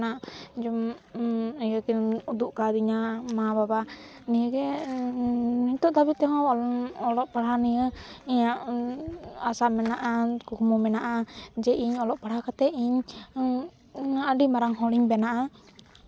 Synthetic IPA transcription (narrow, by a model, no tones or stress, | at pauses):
naʔd͡ʒɔm | ijəkɛud̪uʔkad̪iɲamababa | nijəɡɛ | niɲt̪ɔʔd̪abit̪̚t̪ɛɦɔ̃ɔlɔʔpaɽanijəiɲaʔ | asamɛnaʔakukmɔmɛnaʔad͡ʒɛʔiɲɔlɔʔpaɽhakat̪ɛiɲ | əɖimaɾaŋhɔ̃liɲbɛnaʔa